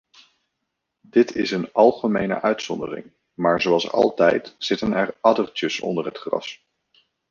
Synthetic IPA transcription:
dɪtʰɪsənɑlˠχəmejnə̰ʔœɥtsɔndərɪ̰ŋ | maːɹzowɑlˠsɑ̰lˠtɛjtz̥ɪtənɛɹɑdərt͡ʃəsɔ̰ndəɹɦətχrɑ̰s

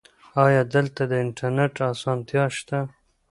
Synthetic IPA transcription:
ɑjɑd̪əlt̪ad̪əɪɳʈaɾneʈɑsɑnt̪jɑʃt̪a

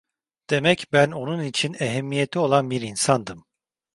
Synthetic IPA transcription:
d̪̥e̞mɛcbæno̞nunit͡ʃʰineɦɛmːije̞t̪ʰio̞lˠanbiɾinsand̪ɯm

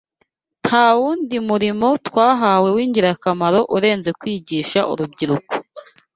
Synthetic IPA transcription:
nhawuːndimuɾimo̞twaːɦaːwe̞wiːɲɟiɾakamaɾo̞ʔuɾe̞ːnze̞kwiːɟiːʃaʔṵɾubɟiɾuko̥

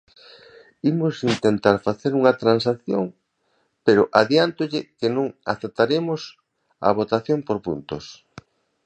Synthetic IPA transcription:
imʊsint̪ent̪aɾfaθeɾuŋɐt̪ɾansaθjoŋ | peɾʊʔaðjant̪ʊʎɪkenõŋa̰θep̚t̪aɾemʊs | ɐ̰βot̪aθjompoɾpṵnt̪ʊs

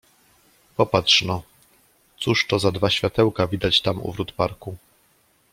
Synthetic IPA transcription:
pɔpatʂnɔ | t̪suʂt̪ɔzad̪vaɕfʲjat̪ɛwkavʲid̪at͡ɕt̪amṵvɾut̪paɾku

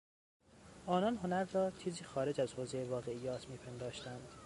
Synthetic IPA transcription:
ʔɒːnɒnɦonæɾrɒːt͡ʃʰiːziːxɒːɾe̞d͡ʒæzhoːzejvɒːɣe̞ijɒːt̪ʰmiːpʰend̪ɒːʃt̪ænd̪̥

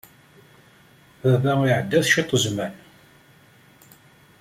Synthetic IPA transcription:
ðæðæiʕəd̪ːæθʃit̪ˤːəzmæn

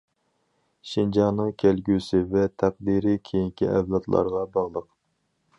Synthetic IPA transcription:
ʃind͡ʒɑːnɨŋkʲʰælɡʲysɪvɛt̪ʰæq̚d̪iɾɪkʲʰejiŋkʲʰiʔɛ̰vlˠɑt̪lˠɑ̰ɾʁɑbɑʁlˠəq

